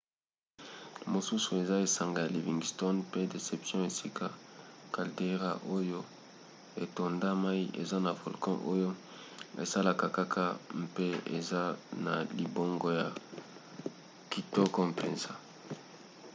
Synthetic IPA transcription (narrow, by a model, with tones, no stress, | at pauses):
mo˨su˦su˨e˨za˦e˨sa˨ŋɡa˨ja˨li˨vi˨ŋɡi˨stɔ˦npe˦de˨se˨psjɔ̃˦e˨si˦ka˨ka˨lde˦ʁa̰˨ʔo˦jo˦ | e˨to˨nda˦ma˦i˦ʔḛ˨za˦na˨vɔ˨lkɔ̃˦ʔo˦jo˦ | ḛ˨sa˦la˨ka˨ka˦kʰa˦mpe˦ḛ˨za˦na˨li˨bo˦ŋɡɔ˦ja˨ | ki˨tɔ˦kɔ̃˦m˨pḛ˨nza˦